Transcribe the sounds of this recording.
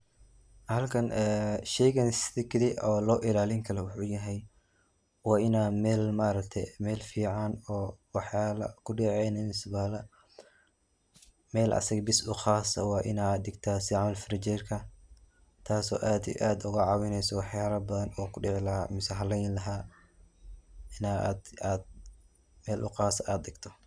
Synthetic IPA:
hɐlkʰɐnʔɛːʃɛjɣɐnst̪ɪkʰdɪʔɔːlɔːʔɪlaːlɪŋkʰɐlɛwʊħuːjɐɦɛj | wɑːɪnaːmɛːlmaːɾɐkt̪ʰɛmɛːlfiːʕanɔːwɑħaːlɐkʰʊɖɪʕɛjnɐnsβaːlɐ | mɛːlʔɐ̰sɐɣɐbɪsʊxaːsɐwɑːʔɪnaːd̪ɪɡt̪ʰaːsɪʕmɐlfɾɪt͡ʃɛrkʰɐ | t̪ʰaːsɔ̰ːʔaːd̪ɛ̰jʔaːd̪ʊɣɐʕɑːwɪnɛjsɔwɑħjaːɾɐbɐðɐnɔːkʰʊɖɪʕlɐmʊsɛɦɐlɛjnlɐɦaː | ɪnad̪aːd̪̚ | mɛːlʔʊ̰qaːsɐaːd̪ɪɡt̪ʰɔ

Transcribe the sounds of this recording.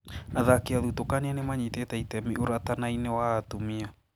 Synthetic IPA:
aðakeaðutokanianemaɲitetɛitɛmiʔoɾatanainewaːtomia

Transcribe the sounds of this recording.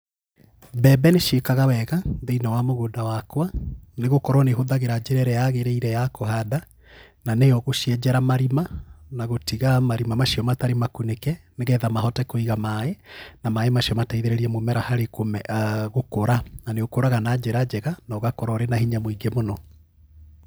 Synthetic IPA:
bɛbɛneʃekaɣawɛɣaðeinawamoɣoːdawakwaneɣokɔɾɔneɦoðaɣeɾad͡ʒeɾɛɾɛjaɣeɾɛiɾɛjakohaða | nanejɔɣoʃiɛd͡ʒɛɾamaɾimanaɣotiɣamaɾimamaʃiɔmataɾemakunekɛneɣɛðamaɦɔtɛkoiɣamaenamaemaɕjɔmataiðeɾɛɾiɛmomɛɾahaɾekomɛɣokoɾananeɣokoɾaɣanad͡ʒɛɾad͡ʑɛɣanɔːɣakɔɾɔɾenahiɲamoiɡemonɔ

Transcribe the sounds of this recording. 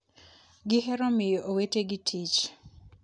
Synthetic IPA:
ɡɪɦɛɾɔmɪjɔʔoweteɡitʰit͡ʃ

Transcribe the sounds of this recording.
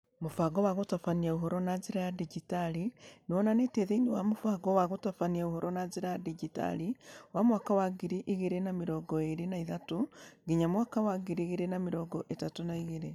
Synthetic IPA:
mofaɣɔwaɣotafaniaoɦɔɾɔnad͡ʑeɾajadiɡitalinewɔnaneteðeinewamofaɣɔwaɣotafaniaohɔɾɔnad͡ʑeɾajadiɡita̰liwamwakawaɡiɾiʔiɣeɾenameɾɔːɡɔeɾenaiðatoɡiɲamwakawaɡiɾiɣeɾenameɾɔːɡɔʔetatonaiɣeɾe

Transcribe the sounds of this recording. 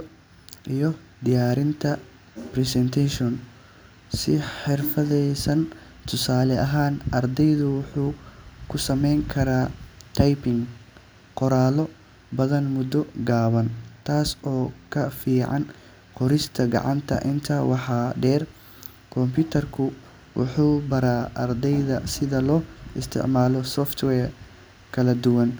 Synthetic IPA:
ʔijɔ | d̪ɪjaːɾɪnt̪ʰɐ | prɛsɛnt̪ʰɛʃɔn | sɪħɪrfɐðɛjsɐn | t̪ʰʊsaːlɛɐɦaːnʔɐrd̪ɛjðʊwʊħuːkʰʊsɐmɛjŋkʰɐɾaːt̪ʰɐjpɪŋ | qɔɾaːlɔ | bɐðɐnmʊd̪ɔɡaːβɐnt̪ʰaːsɔːkʰɐfiːʕɑ̰n | qɔɾɪst̪ʰɐɡɑ̰ʕɑ̰nt̪ʰɐ̰ʔɪnt̪ʰawɑħɑːɖɛːr | kʰɔmpʰɪt̪ʰɐrkʰʊ | wʔʊ̰ħuːbɐɾaːʔɐrd̪ɛjðɐsɪðɐlɔːɪst̪ʰɪ̰ʕmaːlɔsɔːft̪ʰwɛːr | kʰɐlɐd̪ʊwɐn

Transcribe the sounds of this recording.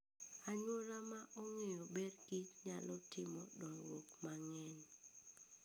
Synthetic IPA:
aɲolamaʔɔŋejɔbedɡitɲalɔtɪmɔdɔŋwokmaŋɛɲ

